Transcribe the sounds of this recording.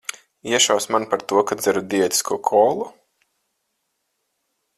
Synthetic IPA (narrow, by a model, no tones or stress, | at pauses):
iɛʃawsmanpaɾt̪uɔkad̪zɨɾud̪iɛt̪i̥skʰuːkʰɔːlˠu